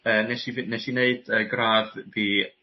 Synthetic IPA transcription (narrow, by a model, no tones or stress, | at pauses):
əːnɛʃivɨnɛʃineɨd̥əɡraːvːiː